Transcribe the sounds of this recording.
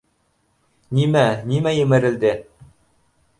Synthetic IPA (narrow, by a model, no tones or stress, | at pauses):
nimænimæjɘ̆mɘ̆ɾɘ̆ld̪ɘ